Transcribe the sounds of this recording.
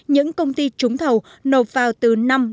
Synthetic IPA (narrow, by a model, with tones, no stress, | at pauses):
ɲɨ̰˧˥ŋkə˧wŋ͡mt̪i˧t͡ɕʊ˨˦ŋ͡mt̪ʰə˨˩w | no˨˩t̚vaː˨˩wt̪ɨ˨˩na˧m